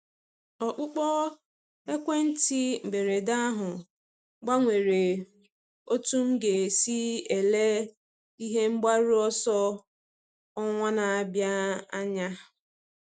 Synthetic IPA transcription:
ɔ˨k͡pʊ˦k͡pɔ˦ | e˦kʷe˦n̩˦ti˦m̩˨be˨ɾe˨da˦a˦ɦʊ˨ | ɡ͡ba˦ŋʷe˨ɾe˨ | o˦tu˦m̩˦ɡe˨si˦e˨le˦ | i˦ɦe˦ŋ͡m̩˦ɡ͡ba˦ɾu˦ɔ˦sɔ˦ | ɔ˦ŋʷa˦na˨a˨bja˦a˦ɲa˦

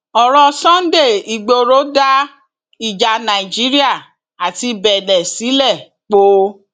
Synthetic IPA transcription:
ɔ˨ɾɔ˧sɔ̃˦n̩˦de˦˨i˨ɡ͡bo˧ɾo˨˦da˦ | i˦˨d͡ʒa˧nã˨i˨d͡ʒi˨˦ɾi˦a˦˨ | a˨ti˧bɛ˨dɛ˨si˨˦lɛ˦˨ | k͡po˦

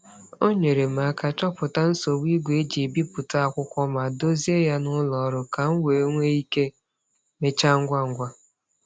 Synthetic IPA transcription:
o˦ɲe˨ɾe˨m˨a˨ka˨t͡ʃɔ˦pʊ˨ta˦n̩˦so˨wi˦ɡʷe˨e˦d͡ʒi˨bi˦pʊ˨ta˦a˨kʷʊ˦kʷɔ˦ma˨do˦zi˦e˦ja˦nʊ˦lɔ˨ɾʊ˨ka˨ŋ̩˦we˨˦ŋʷe˦i˦ke˦ | me˦t͡ʃa˦ŋ̩˦ɡʷa˦ŋ̩˦ɡʷa˦

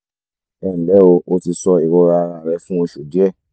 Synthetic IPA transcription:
ɛ̃˦˨bɛ˨˦o˧o˧ti˧sɔ˧i˨wɔ˧ɾa˧ɾã˧˨ɾɛ˧fũ˦o˧ʃu˨di˨˦ɛ˦˨

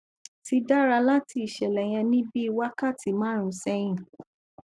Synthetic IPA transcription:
ti˧da˦ɾa˧la˦ti˧i˨ʃɛ˨lɛ˨j̃ɛ̃˧nĩ˦bi˦i˧wa˦ka˦˨ti˨˦mãː˦ɾ̃ũ˧˦sɛ˧j̃ĩ˦˨

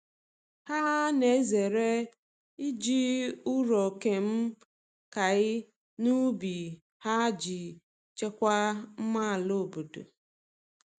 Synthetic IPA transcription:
ha˦ne˨˦ze˨ɾe˦ | i˦d͡ʒi˦ʊ˦ɾɔ˨ke˨m̩˦ | ka˨ɪ˦ | nu˦bi˨ | ha˦d͡ʒi˨ | t͡ʃe˦kʷa˦m̩˦ma˦˨lo˦˨bu˨dṵ˨

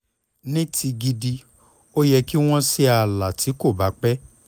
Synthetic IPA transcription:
nĩ˦ti˧ɡi˧di˧ | o˦jɛ˧ki˦w̃ɔ̃˦si˦a˧la˨ti˨˦ko˦˨ba˨˦k͡pɛ˦

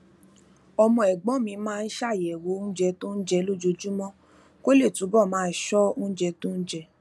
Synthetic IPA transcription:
ɔ˧mɔ̃˧˨ɛ˨ɡ͡bɔ̃˨˦mĩ˧˦mãː˦˧n̩˦ʃa˦˨jɛ˨wo˨˦n̩˦d͡ʒɛ˧tũ˦n̩˦d͡ʒɛ˧lo˦d͡ʒo˧d͡ʒu˦mɔ̃˦ | ko˦le˦˨tũ˨˦bɔ˦˨mãː˨˦ʃɔ˦n̩˦d͡ʒɛ˧tũ˦n̩˦d͡ʒɛ˧

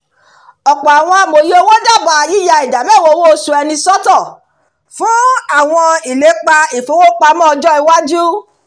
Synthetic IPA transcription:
ɔ˨k͡pɔ˨a˨w̃ɔ̃˧a˨˧mo˨je˦o˧˦wɔ̃˦d͡ʒa˦˨ba˨ji˦ja˧i˨da˨mɛ˦˨wo˧˦wo˦˧˦sũ˦ɛ˧nĩ˧sɔ˦tɔ˦˨ | fũ˦a˦˨w̃ɔ̃˧i˨le˨˦k͡pa˧i˨fũ˨˦wo˦k͡pa˧mɔ̃˦ɔ˧d͡ʒɔ˦i˧wa˦d͡ʒu˦

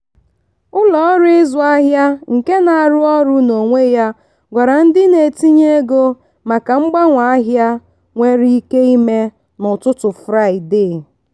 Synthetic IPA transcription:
ʊ˦lɔ˨˦ɾɪ˦ɪ˦zʊ˨a˦ɦja˦ŋ̩˨ke˦na˨a˨ɾʊ˦ɔ˦ɾʊ˦no˨ŋʷe˦ja˦ | ɡʷa˨ɾa˨n̩˦dɪ˦ne˨ti˦ɲe˦ɡo˦ | ma˨ka˨ŋ͡m̩˦ɡ͡ba˦ŋʷa˨a˦ɦja˦ | ŋʷe˦ɾi˦i˦ke˦i˦me˦ | nʊ˨tʊ˦tʊ˨fɾa˦˨ɪ˨dɪ˦˨

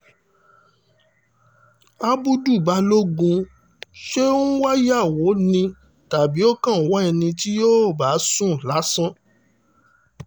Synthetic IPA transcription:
a˦bu˦du˦˨ba˨˦lo˦ɡũ˧ | ʃe˦ũ˦wa˦ja˦˨wo˨˦nĩ˧ | ta˨bi˨˦o˦kã˦˨˦wɔ˦ɛ˧nĩ˧ti˦jo˦˨ba˨˦sũ˦˨la˨˦sã˦

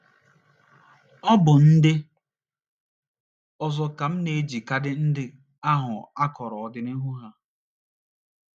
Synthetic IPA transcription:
ɔ˦bʊ˨n̩˦dɪ˦ | ɔ˨zɔ˨ka˨m̩˦ne˨˦d͡ʒi˨ka˦dɪ˦n̩˦dɪ˦ | a˦ɦʊ˨a˦kɔ˨ɾɔ˨ɔ˨dɪ˦ne˦ɦu˦ɦa˦

